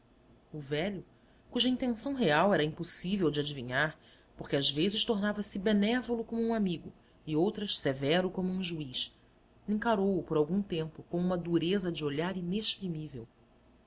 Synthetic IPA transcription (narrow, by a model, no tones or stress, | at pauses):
ʊvɛʎʊ | kuʒɐĩnt̪ẽsɐ̃w̃ɦeawɛɾɐĩmposivewd͡ʒɪad͡ʒiviɲaɾ | poχkɪazvezɪʃt̪oɾnavɐsɪbenɛvolʊkõmuũamiɡʊ | ɪowt̪ɾɐʃsevɛɾʊkõmʊũʒuiʃ | ĩŋkaɾowʊpoɾawɡũt̪ẽmpʊkõũmɐd̪uɾezɐd͡ʒɪoʎaɾineʃpɾimivew